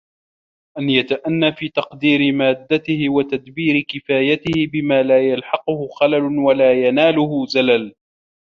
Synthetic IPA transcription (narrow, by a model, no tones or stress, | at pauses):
ʔanjat̪aʔanːaːfiːt̪ɑqd̪iːɾɪmaːd̪ːat̪ɪhɪwat̪ad̪biːɾɪkɪfaːjat̪ɪhɪbɪmaːlaːjalħɑqʊhʊxalalʊwalaːjanaːlʊhʊzalal